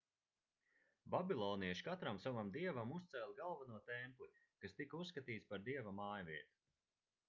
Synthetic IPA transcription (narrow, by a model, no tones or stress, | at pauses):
babilˠɔːniɛʃkat̪ɾamsavamd̪iɛvamust̪sɛlʲˠɡalˠvanuɔt̪ɛmpl | kast̪ikusːkat̪iːt̪spaɾd̪iɛvamaːjvʲiɛt̪u̥